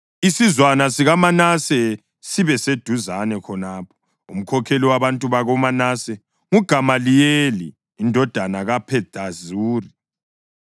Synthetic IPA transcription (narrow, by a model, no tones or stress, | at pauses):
isizwanasiɣamanasɛ | siβɛsed̥ʱuzanɛkʰɔnaːpʰɔ̥ | ṵm̩kʰɔkʰeliwaβantʼuβaɣɔmanasɛ | ŋuɡ̥ʱamalijeliː | ndʱɔd̥ʱanaɣapʰɛd̥ʱazuːri